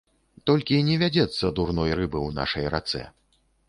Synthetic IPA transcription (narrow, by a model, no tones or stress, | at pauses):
t̪ɔlʲkʲinʲɛvʲad͡zʲɛt̪sːɐd̪urnɔjrɨbɨwna̰ʂɐjɾa̰t̪sɛ̰